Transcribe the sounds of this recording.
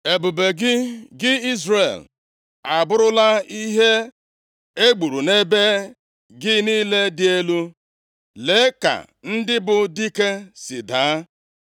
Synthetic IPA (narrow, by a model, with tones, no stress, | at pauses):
e˨bu˨be˨ɡɪ˦ɡɪ˦i˦zre˨l | a˨bʊ˦ɾʊ˦la˦i˦ɦe˦ | e˦ɡ͡bu˨ɾu˨ne˦be˦ | ɡɪ˦niː˦le˦dɪ˦e˦lu˦ | le˨˦ka̰˨ | n̩˦dɪ˦bʊ˨di˦ke˦sɪ̰˨daː˨˦